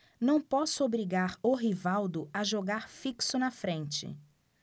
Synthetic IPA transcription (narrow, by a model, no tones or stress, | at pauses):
nɐ̃w̃pɔsʊobɾiɡaɾʊɦivawd̪ʊaʒoɡaɾfiksʊnɐfɾẽnt͡ʃɪ̰